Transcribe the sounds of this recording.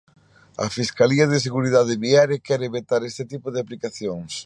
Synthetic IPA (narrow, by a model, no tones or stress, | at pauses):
ɐ̰fiskaliɐð̞ɪs̬eɣuɾiðaðɪβiaɾekɛɾeβet̪aɾest̪ɪt̪ipoðeaplikaθjoŋs